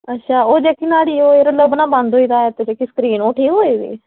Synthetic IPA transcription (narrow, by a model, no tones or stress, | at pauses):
ətːʃʰaːoːd͡ʒekiːnaːɽiːoːeːɾoləbnãːbə̃nd̪ɦoːiːd̪aːɛt̪ed͡ʒeːkiːskɾiːnoːʈʰiːkɦoːiːd̪ḭː